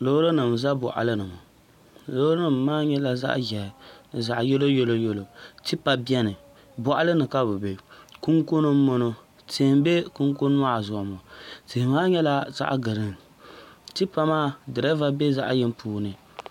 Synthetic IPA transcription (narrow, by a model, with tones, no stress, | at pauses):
lo˦hɾo˦nɨ˨m˨za˦bɔ̰˨ʔa̰˨lɨ˦nɨ˨mɔ˨ | lo˦ɾo˦nɨ˨mː˦aː˦ɲɛ˦la˦za̰˦ʔʒɛ˨nɨ˨za˨ʔjɛ˦lo˦jo˦lo˦jo˦lo˨ti˦pa˨bi˦ɛ˦nɨ˨ | bɔ˨ʔa˦lɨ˦nɨ˨ka˦bɨ˨be˨ku˦ŋko˦nɨ˦m˦mo˦no˦ | teː˨m˦be˦ku˦ŋk̬o˦n˦a˦˨zʊ˨ʔʊ˨mɔ˨ti˨hmaː˦ɲɛ˦la˦za̰˦ʔɡɨ˨ɾɨ˦ŋ˨ | ti˦pa˦maː˦dɨ˨ɾɛ˦va˦be˦za˦ʔjɪ˦m˦pʰuː˨nɨ˨